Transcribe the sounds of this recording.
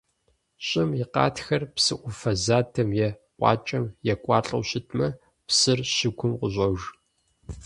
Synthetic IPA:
ɕʼɪmɪqɑ̰ːtxɐrpsɨʔʷʊfɐzaːtʰɐmjɛ | qʷɑ̰ːt͡ʃʼɐmjɛkʷʼɑːɬʼɐwɕɪtʰmɐ | psɨrɕɪɡʷʰʊmqʷʊʑʼɐʒ

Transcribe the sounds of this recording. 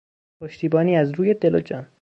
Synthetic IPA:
pʰoʃt̪iːbɒːniːæzɾuːje̞d̪e̞lod͡ʒɒːn

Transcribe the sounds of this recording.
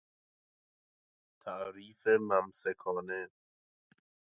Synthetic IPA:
t̪ʰæʔɾiːfemæmsekʰɒːne

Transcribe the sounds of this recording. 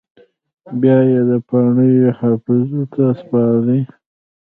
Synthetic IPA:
bjɑjed̪əpɑɳəjhɑfɪzot̪ʰaspɑɾi

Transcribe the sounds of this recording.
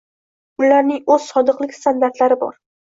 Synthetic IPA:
ʊlaɾnɪŋɵzsɒd̪ɨqlˠɪkʲst̪and̪aɾt̪laɾɪbɒ̰ɾ

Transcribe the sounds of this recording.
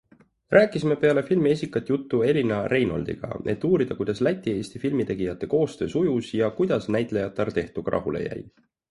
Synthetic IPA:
rʔæːkːˑisime̞pe̞ɑle̞filmies̬ʲikːˑɑt̪ːˑjut̪ːue̞lʲinɑɾe̞jno̞̰ld̪ḭɡ̥ɑ̰e̞̰t̪ːuːɾid̪̥ɑkujd̪̥ɑslæt̪ʲˑːie̞ːsʲt̪ifilmit̪e̞ɡ̥ijɑt̪ːˑe̞ko̞ːst̪ø̞ːsujusjɑkujd̪̥ɑsnæjt̪ˑlejɑt̪ˑːɑɾt̪e̞ht̪uɡ̥rʔɑ̰ɦulḛjæ̰j

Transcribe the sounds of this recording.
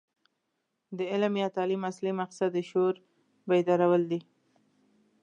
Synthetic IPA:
d̪əɪlmjɑt̪ɑlimaslimaqsad̪əʃoɾ | bajd̪ɑɾawəld̪i

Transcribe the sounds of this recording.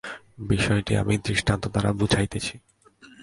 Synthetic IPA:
biʃɔeʈia̰mid̪ɾiʃʈant̪od̪aɾabud͡ʑʱajt̪et͡ɕʰi

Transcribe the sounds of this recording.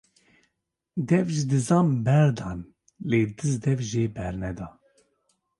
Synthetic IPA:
d̪ɛvʒid̪ɨzɑːmbɛɾd̪ɑːn | leːd̪ɨzd̪ɛvʒeːbɛɾnɛd̪ɑː

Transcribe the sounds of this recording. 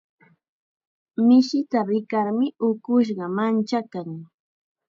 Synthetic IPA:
mɪʃɪt̪aɾɪkaɾmɪʊkʊʃ̬ɢɑmant͡ʃakaŋ

